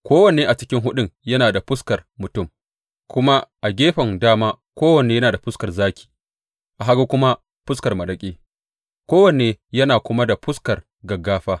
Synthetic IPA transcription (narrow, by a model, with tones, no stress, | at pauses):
kʷoː˦wɐ˨neː˦ʔa˨t͡ʃɪ˦kʲɪ˦ŋɦʊ˦ɗʊ˦˨mjɐ˦naː˨da˨ɸʊ˦skɐ˨rmʊ˨tʊ˦˨m | kʷʊ˦ma˦ʔa˨ɡʲeː˦ɸɐ˨ŋdaː˦maː˦ | kʷoː˦wɐ˨neː˨˦jɐ˦naː˨da˨ɸʊ˦skɐ˨rzaː˦kʲi̥ː˨ | ʔa˨ɦa˦ɡu˦kʷʊ˦ma˦ | ɸʊ˦skɐ˨rmɐ˨ɗɐ˨kʲʼeː˦ | kʷoː˦wɐ˨neː˨jɐ˦naː˨kʷʊ˦ma˦da˨ɸʊ˦skɐ˨r | ɡɐ˨ɡːaː˦ɸaː˦